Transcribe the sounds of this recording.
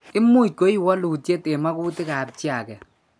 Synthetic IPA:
ɪ˦mu˦t̚ko˦i˦wɔ˦lu˨t͡ʃe˦te˨ma˦ku˦tɪ˦ka˨p̚t͡ʃja˨kɛ˨

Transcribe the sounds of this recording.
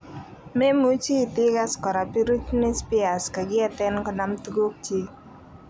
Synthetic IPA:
me˦mu˦t͡ʃi˦˨t̪ɪ˦ɡa˦skɔ˨ɾa˨pi˦ɾu˦tni˦spi˦a˨ska˨ɡɪ˦a˦t̪ɛ˦nkɔ˨na˦mt̪u˦ɡo˦k̚t͡ʃi˦

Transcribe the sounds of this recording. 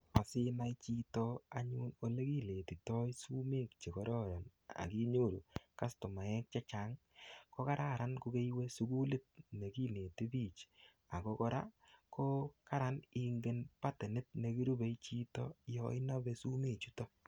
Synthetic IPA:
a˨sɪ˦na˦jt͡ʃi˦tɔ˦a˨ɲuː˦no˨le˦ki˦le˨ti˨tɔ˦jsu˦me˦˨kt͡ʃe˨kɔ˨ɾɔ˦ɾɔ˨na̰˨ki˦ɲo˦˨ɾu˨ka˦sto˨ma˨ɛ˦k̚t͡ʃa˦t͡ʃa˨ŋ | ko˦ka˦ɾʔa˦˨ɾa˦nko˧ke˦jwe˦su˦ku˦le˦t̚ne˨ki˦ne˨ti˦bi˦˨t͡ʃ | a˨ko˦kɔ˦ɾa̰˦kʰo˦ka˦ɾa˨ni˦ŋɡe˦npa˦te˨nɪ˦t̚ne˨ki˦ɾu˦be˨˦jt͡ʃi˦tɔ˦jɔ̰˦ɪ˦na˦be˨su˦me˨t͡ʃu˦tɔ˦

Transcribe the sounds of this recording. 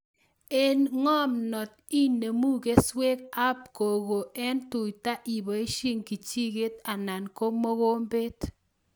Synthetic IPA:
e˦nŋɔ˦mnɔ˨t̚i˦nːe˨mu˦ke˦swe˦ka˦p̚ko˨ɣo˨ʔɛ˦ntʊ˨jta˦ʔi˨bɔ˨e˦ʃi˦ŋki˨t͡ʃi˦ke˦ta˨na˨nko˦mo˦ko˦mbe˦t

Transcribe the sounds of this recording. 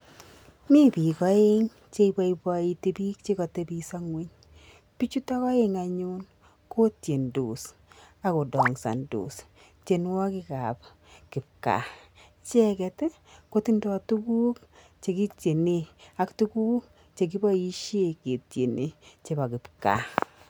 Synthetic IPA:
mi˦pi˨kɔ˦e˦ŋ | t͡ʃe˦˧iba˦ibai˨te˨bi˦kt͡ʃe˦kɔ˨te˦bi˧sa˦ŋwe˦ɲ | pi˦t͡ʃu˦ta˦kɔ˦e˦ŋaɲu˦n | ko˦tje˨ndo˨s | a˦ko˨dɔ˨ŋsa̰˨ndo̰˨s | t͡ʃe˨n˦wɔ˦ki˦ka˨p | kɪ˨p̚ka̰˨ | t͡ʃɛ˦kɛ˨te˦ | ko˦ti˦ndɔ˦tu˦ku˦k̚ | t͡ʃe˨ki˦t͡ʃe˨ne˦a˨ktu˦kuː˦k | t͡ʃe˨k̬i˦bɔ˦i˦ʃe˦ke˨tje˨ne˨t͡ʃe˨ba˨kɪ˨pka̰˨

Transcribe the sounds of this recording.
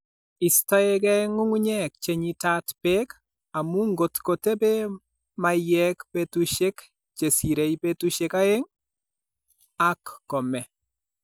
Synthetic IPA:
i˨stɔ˦e˦k̬ɛ˦ŋu˦ŋu˦ɲɛ˦˨k̚t͡ʃe˨ɲi˨ta˦tpe˦k | a˨mu˦ŋɡo˨tko˨te˦be˦ | ma˨jɛ˦kpe˦tu˨ʃe˦k | t͡ʃe˨si˨ɾe˨jpe˦tu˦ʃe˦ka˦e˦ŋ | a˦kːɔ˨mɛ˨

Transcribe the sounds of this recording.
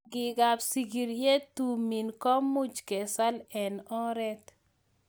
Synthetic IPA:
ɡɪ˨ɡa˨psi˨ɡi˨ɾje˦t̪u˨mi˨nkɔ˦mu˦d͡ʒkɛ˨sa˦lɛ˨nɔ˦ɾɛ˦t̪

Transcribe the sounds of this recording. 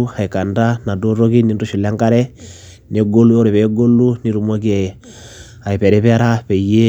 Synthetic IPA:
a˨i˨ka˨nda˦na˨do˦ɾo˦ki˦ni˨ndu˦ʃi˨la˦ŋka˦ɾɛ˦ | nɛ˨ɡo˦lu˦o˦ɾi˨βɛ˨ɡo˦lu˦ni˦ɾu˨mo˦ke˨ | a˨i˨pɛ˨ɾɛ˦βɛ˦ɾa˦pɛ˨ije˦

